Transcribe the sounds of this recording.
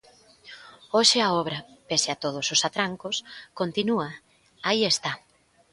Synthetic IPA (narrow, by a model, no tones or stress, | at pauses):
oʃɪaɔβɾɐpeseat̪oð̞ososat̪ɾaŋkoskont̪inuɐ | aiest̪a